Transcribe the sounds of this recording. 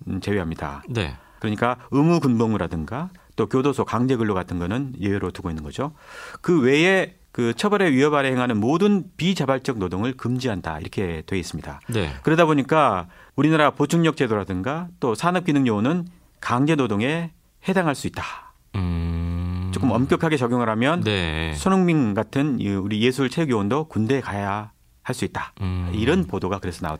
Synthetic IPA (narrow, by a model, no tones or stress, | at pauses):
t͡ɕe̞weɦamɲida̰nḛ | kɯɾʌɲik͈aɯmukunboŋɯɾadɯŋɡat͈okjodosʰokaŋd͡ʑe̞ɡɯɭːoɡatʰɯnɡʌnɯnjeeɾotuɡoinːɯnɡʌd͡ʑokɯwe̞e̞ | kɯt͡ɕʰʌbʌɾe̞ɥiʌbaɾeheŋɦanɯnmodɯnpit͡ɕabaɭt͡ɕ͈ʌɡ̚nodoŋɯɭkɯmd͡ʑiɦanda̰ḭɾʌkʰe̞twe̞ɡes͈ɯmɲida̰nḛkɯɾʌdaboɲik͈a | uɾinaɾapot͡ɕʰuŋɲʌk̚t͡ɕ͈e̞doɾadɯŋɡat͈osʰanɯp̚k͈inɯŋɲonɯn | kaŋd͡ʑenodoŋe̞ | he̞daŋɦaɭs͈uit̚t͈ḁ | t͡ɕ͈ok͈ɯmʌmk͈jʌkʰaɡe̞t͡ɕʌɡjoŋɦaɾamjʌnnesʰonoŋmiŋɡatʰɯnuɾije̞sʰuɯɭt͡ɕʰeɡjoondokunde̞kaja | haɭs͈uit̚t͈ḁiɾʌnpodoɡakɯɾe̞sʰʌna̰o